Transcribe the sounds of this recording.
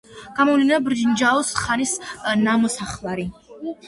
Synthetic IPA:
ɡ̥amɔvlinabɾd͡ʒnd͡ʒaɔsχanisnamɔsaχlˠaɾi

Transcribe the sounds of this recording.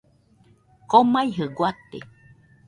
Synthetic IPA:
komajɦɨɡwat̪ḛ

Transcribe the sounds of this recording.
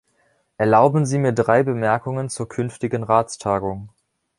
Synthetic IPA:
ʔɛɐlaʊbm̩ziːmiːɐdʁaɪbəmɛɐkʊŋənt͡suːɐkʰʏnftɪɡənʁaːt͡stʰaːɡʊŋ

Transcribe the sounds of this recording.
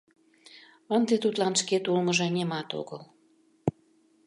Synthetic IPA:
ɑnd̪et̪ut̪lɑnʃket̪ulməʒenʲemɑt̪o̰ɣəl

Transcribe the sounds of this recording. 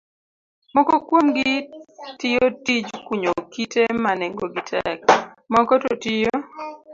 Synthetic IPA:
mɔkɔkwomɡitɪjotid͡ʒkwuɲokitemaneŋɡoɡɪtʰɛk̚ | mɔkɔtotijo

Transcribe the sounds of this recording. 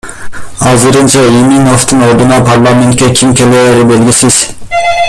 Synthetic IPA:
hɑːzɨɾɯnt͡ʃʰɑiminoft̪ʰɨnoɾd̪ɨnɑpʰɑɾlˠɑment̪̚kʲɛkʲʰimkʲʰeleɾɪbelɡʲisɪz̥

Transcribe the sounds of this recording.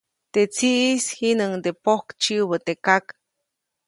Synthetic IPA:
t̪et͡siʔishinəŋd̪epohkt͡ʃiβət̪ekak

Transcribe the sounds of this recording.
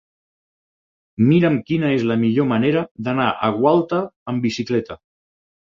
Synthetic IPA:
miɾəmkinəezləmiʎoməneɾəðənaʔəɣwalˠt̪əːmbisiklɛt̪ə

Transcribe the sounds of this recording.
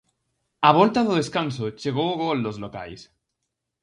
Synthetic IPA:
aβ̞olt̪aðoðeskansot͡ʃeɣ̞oɣold̪ozloka̰js

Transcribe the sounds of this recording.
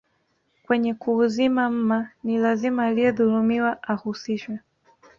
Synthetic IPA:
kwɛɲɛkuːzimam̩manilazimaːlijɛðuɾumiwaʔahusiʃwɛ

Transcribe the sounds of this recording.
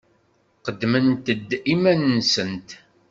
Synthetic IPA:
qəd̪ːmənt̪əd̪ːimænːsənt̪

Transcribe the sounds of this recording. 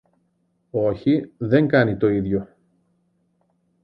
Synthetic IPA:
o̞çiðe̞ŋɡɐnit̪o̞iðʝo̞

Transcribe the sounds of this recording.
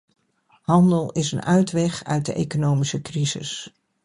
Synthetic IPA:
hɑndəlˠɪsənœɥtʋɛχœɥt̚dəʔejkonowmisəkrizɪ̰s

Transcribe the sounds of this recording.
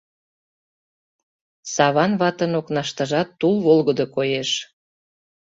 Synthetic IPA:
sɑβɑnβɑt̪ənoknɑʃt̪ɑʒɑt̪ːulβolɣəd̪okojeʃ

